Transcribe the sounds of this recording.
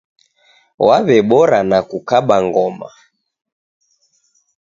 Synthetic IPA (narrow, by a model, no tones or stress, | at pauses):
waβɛɓɔɾanakukaɓaŋɡɔma̰